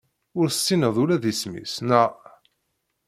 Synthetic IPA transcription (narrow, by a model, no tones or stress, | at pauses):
ʊɾt͡sːinəðˤʊɾæðismḭsnə